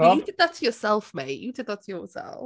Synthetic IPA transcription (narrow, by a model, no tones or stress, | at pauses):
jədɪd̪̚ðətʰəjəsɛlˠfmeɪjədɪd̪̚ðətʰəjəsɛ̰lˠ